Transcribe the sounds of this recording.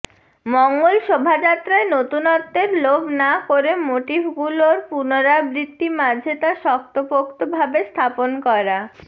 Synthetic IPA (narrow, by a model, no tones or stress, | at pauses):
mɔŋɡolʃobʱad͡ʑat̪ːɾaenot̪unɔt̪ːeɾlobnakoɾemoʈibʱɡuloɾpunoɾabɾit̪ːimad͡ʑʱet̪aʃɔk̚t̪opokt̪obʱabest̪ʰaponkɔɾa